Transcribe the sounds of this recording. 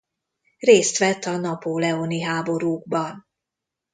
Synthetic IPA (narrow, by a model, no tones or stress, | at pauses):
reːst̪ʋɛt̪ːɒnɒpoːlɛoniɦaːbo̞ɾuːɡ̚bɒn